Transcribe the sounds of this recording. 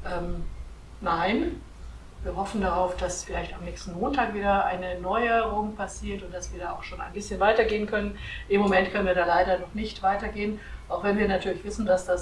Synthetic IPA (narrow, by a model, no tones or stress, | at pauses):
ʔɛːm | naɪn | viːɐɦɔfn̩daʁaʊfd̥asfɪlaɪçtamnɛːçstn̩moːntʰaːkv̥iːdɐʔa̰ɪnənɔʏəʁʊŋpʰasiːɐtʊnt̚d̥asv̥iːɐdaːʔaʊxʃoːna̰ɪnbɪsçənvaɪtɐɡeːənkʰœnənʔɪmːomɛntkʰœnənviɐdaːlaɪdɐnɔχnɪçtv̥aɪtɐɡeːənʔaʊxv̥ɛnviːɐnatʰyːɐlɪçv̥ɪsn̩dasd̥as